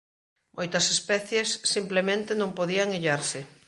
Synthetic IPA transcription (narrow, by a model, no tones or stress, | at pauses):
mʔojt̪ɐsespɛθjesːimplemẽnt̪ɪnõmpoðiɐŋeʎaɾsɪ